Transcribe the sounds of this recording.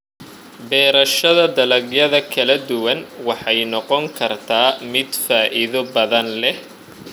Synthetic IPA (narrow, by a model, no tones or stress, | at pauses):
bɛːɾɐʃɐðɐd̪ɐlɐɡjɐðɐkʰɐlɐd̪ʊwɐnwɑħɑjnɔqɔŋkʰɐrt̪ʰaːmɪd̪faːʔɪðɔbɐðɐnlɛh